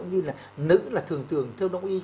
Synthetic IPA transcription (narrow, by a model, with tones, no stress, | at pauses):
ŋ͡mɲi˧laː˨˩nɨ̰˧˥laː˨˩t̪ʰɨ˨˩əŋt̪ɨ˨˩əŋt̪ʰɛ˧wɗə˧wŋ͡mʔi˧